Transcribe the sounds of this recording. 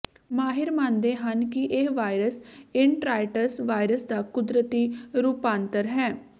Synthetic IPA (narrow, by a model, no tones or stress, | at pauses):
maːɦɪɾmãːnd̪eːɦənkɪʔeːʋaːɾəsɪɳʈɾaːɪʈəɾsʋaːjɾəsd̪aːkʊd̪ɾət̪iːɾuːpaːnt̪əɾɦɛː